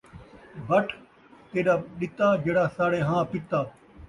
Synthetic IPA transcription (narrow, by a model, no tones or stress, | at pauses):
bɐʈʰ | t̪eːɗaːɗɪt̪aːd͡ʒeːɽaːsaːɽẽːɦãːpɪt̪aː